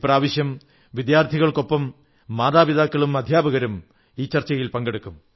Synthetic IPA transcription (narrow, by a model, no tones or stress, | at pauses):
praːʋiɕjɐm | ʋid̪jaːrt̪ʰiɣɐɭko̞pːɐmː | aːðaːbiðaːkːɐɭumɐd̪ʱjaːbɐɣɐɾum | iːt͡ɕɐrt͡ɕːɐɣɐjilpɐŋɡeɽukːum